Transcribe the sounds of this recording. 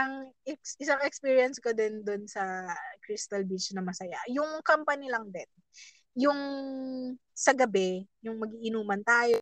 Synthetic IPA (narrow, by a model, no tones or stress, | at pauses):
ɐŋɛksɪsaŋɛkspiːɹjɐnskod̪ɪnd̪onsɐkɾist̪ɐlbit͡ʃnɐmɐsɐjajʊŋkɐmpɐnɪlɐŋd̪ɛn | jʊŋ | sɐɡɐbɛjʊŋmɐɡiːʔɪnuːmɐnt̪aːjo